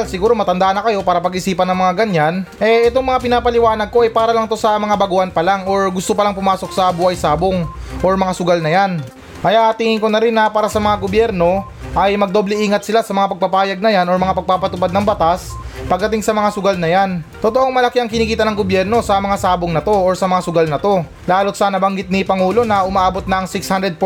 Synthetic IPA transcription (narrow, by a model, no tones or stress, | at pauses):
lsɪɡuːɾo̞mɐt̪ɐnd̪aʔnɐkɐjo̞paːɾɐpɐɡʔɪsiːpɐnːɐŋmɐŋaɡɐɲːanʔɛʔɛt̪o̞ŋmɐŋapɪnaːpɐlɪwaːnɐɡ̚ko̞ʔɐjpaːɾɐlɐŋt̪o̞sɐmɐŋabɐɡuːʔɐnpɐlaŋo̞ɹɡʊst̪opɐlaŋpʊmaːso̞k̚sɐbuhɐjsaːboŋʔo̞ɹmɐŋasʊɡalnɐjan | kɐjaʔɐt̪iːŋɪŋko̞nɐɾɪnːɐpaːɾɐsɐmɐŋaɡo̞bjɛɾno̞ | ʔɐjmɐɡ̚d̪o̞ːblɛʔiːŋɐt̪sɪlasɐmɐŋapɐɡ̚pɐpaːjɐɡ̚nɐjano̞ɹmɐŋapɐɡ̚papɐt̪ʊpad̪nɐŋbɐt̪aspɐɡ̪̚ɐt̪ɪŋsɐmɐŋasʊɡalnɐjant̪ot̪o̞ʔoŋmɐlɐkiɐŋkɪniːkiːt̪ɐnɐŋɡobjɛɾno̞sɐmɐŋasaːboŋnɐt̪o̞ʔoɹsɐmɐŋasʊɡalnɐt̪o̞ | laːlot̪̚sɐnɐbɐŋɡɪt̪̚nɪpɐŋuːlo̞nɐʔʊmaʔaːbot̪̚nɐʔɐŋsɪkshand̪ɾɛd̪̚p